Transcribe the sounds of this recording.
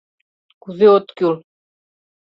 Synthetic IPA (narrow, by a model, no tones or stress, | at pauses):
kuðeot̪kʲul